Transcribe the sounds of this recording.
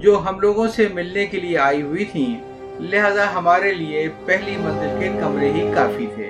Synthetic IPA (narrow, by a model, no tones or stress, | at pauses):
d͡ʒoːɦɐmloːɡõsemɪlnekelieaːiɦʊit̪ʰĩ | leɦaːzaɦɐmaːɾeliepɛɦlimɐ̃nzəlkekɐmɾeɦikaːfit̪ʰḛː